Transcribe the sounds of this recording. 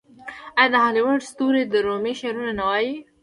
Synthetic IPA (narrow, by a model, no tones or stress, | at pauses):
ajãd̪aɦaliwəɖst̪uɾed̪əɾomeʃeɾunanawaji